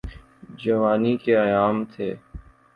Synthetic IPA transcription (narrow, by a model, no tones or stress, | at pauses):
d͡ʒəʋaːnikeəjaːmt̪ʰeː